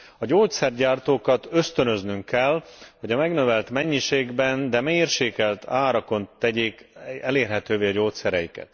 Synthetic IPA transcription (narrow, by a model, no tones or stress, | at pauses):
ɒɟoːt̪sɛrɟaːrt̪oːkɒt̪ø̞st̪ø̞nø̞znyŋkːɛlhɒɟɒmɛɡnøvɛlt̪mɛɲːiʃeːɡbɛnd̪ɛmeːrʃeːkɛlt̪ʰaːɾɒko̞nt̪ɛɟeːkɛleːrɦɛt̪øːveːɒɟoːt̪sɛɾɛjikɛ̰t̪